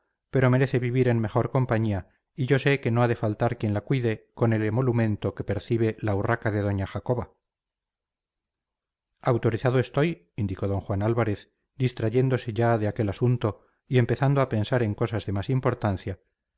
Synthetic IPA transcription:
pe̞ɾo̞me̞ɾe̞θe̞βiβiɾe̞nmexo̞ɾko̞mpaɲia | iʝo̞seke̞no̞aðe̞falt̪aɾkje̞nlakwiðe̞ko̞ne̞lemo̞lumẽ̞nt̪o̞ke̞pe̞ɾθiβ̞e̞laurakaðe̞ðo̞ɲaχako̞βa | awt̪o̞ɾiθaðoe̞st̪o̞j | ind̪iko̞ðo̞ŋxwanalβaɾe̞θ | d̪ist̪ɾaʝe̞nd̪o̞se̞ʝaðe̞ake̞lasunt̪o̞ | ie̞mpe̞θand̪oape̞nsaɾe̞ŋko̞sazðe̞masimpo̞ɾt̪anθja

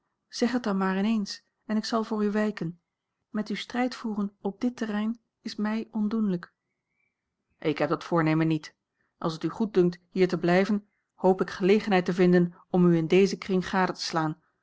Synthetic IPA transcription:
z̥ɛχət̚dɑnmaːɹɪnejns | ɛnɪksɑlˠvʊːɹyʋɛjkən | mɛtystrɛjtfuːrənɔb̚dɪtərɛjn | ɪsmɛjɔndunlək | ʔɪkɦɛp̚dɑtfʊːɹnejmənːit | ʔɑ̰lˠsətyχut̚dɵŋk̚tɦiːɹtəblɛjvən | howpɪkχəlejχənɦɛjtəvɪndən | ɔmyɪndejzəkrɪŋχaːdətə̥slaːn

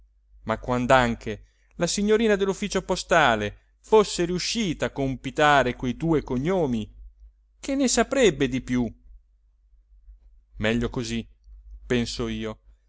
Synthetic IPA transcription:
makːwand̪aŋk̟e | lasiɲːoɾiːnad̪elːufːiːt͡ʃopost̪aːle | fosːeɾiuʃːiːt̪aːkompit̪aːɾekwejd̪uːekoɲːoːmi | kʰenːesapɾɛbːed̪ipju | mɛʎːokozipensoiːo

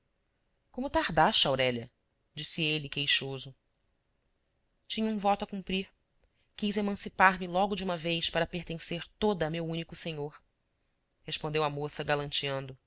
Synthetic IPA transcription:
kõmʊt̪aɾd̪aʃt͡ʃawɾɛlɐ | d͡ʒisielɪkejʃozʊ | t͡ʃĩɲɐũvɔt̪ʊɐkũmpɾiɾ | kijzemɐ̃sipaɾmɪlɔɡʊd͡ʒɪũmɐvejspaɾɐpeɾt̪ẽseɾt̪od̪ɐːmewũnikʊsẽɲoɾ | heʃpõnd̪ewɐmosɐɡalɐ̃nt͡ʃiɐ̃nd̪ʊ

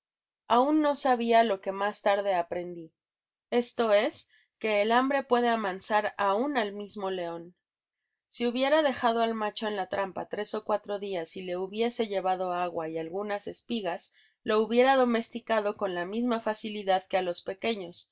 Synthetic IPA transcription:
aunːo̞saβialo̞ke̞mast̪aɾðe̞apɾe̞nd̪i | e̞st̪o̞e̞s | ke̞ːlambɾe̞pwe̞ðe̞aβansaɾaunalmizmo̞le̞o̞n | siuβje̞ɾað̞e̞xað̞o̞almat͡ʃo̞enlat̪ɾampa̰t̪ɾe̞so̞kwat̪ɾo̞ðiasile̞uβje̞se̞ʝe̞βaðo̞aɣwaialɣunase̞spiɣas | lo̞uβje̞ɾaðo̞me̞st̪ikaðo̞ko̞nlamizmafasiliðaðke̞alo̞spe̞ke̞ɲo̞s

